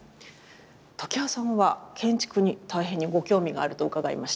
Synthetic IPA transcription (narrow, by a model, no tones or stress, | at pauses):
t̪okʲiasãɰ̃βakʰẽ̞ɲ̟t͡ɕi̥kɯ̟ɲ̟it̪aiɦẽ̞ɲ̟ːiɡo̞kʲo̞ːmʲiɡa̰ːɾɯ̟t̪o̞ɯkaɡaḭmaɕi̥t̪a